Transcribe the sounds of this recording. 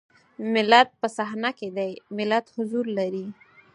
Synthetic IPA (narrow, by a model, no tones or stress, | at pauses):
mɪlat̪̚pəsaɦnaked̪ajmɪlat̪hʊzuɾlaɾi